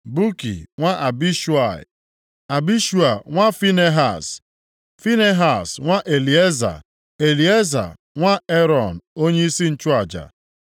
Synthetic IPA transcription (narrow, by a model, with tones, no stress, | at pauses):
bu˦kḭ˨ŋʷa˦ʔa˨bi˦ʃu˦a̰˨ | a˨bi˦ʃu˦a˨ŋʷa˦fi˦ne˦ɦa˨s | fi˦ne˦ɦa˨sŋʷa˦ʔe˨li˨e˦za̰˨ | e˨li˨˦e˦za̰˨ | ŋʷa˦e˦ɾɔ˨n̩˨o˦ɲe˦i˦si˦n̩˦t͡ʃʊ˦a˨d͡ʒa̰˨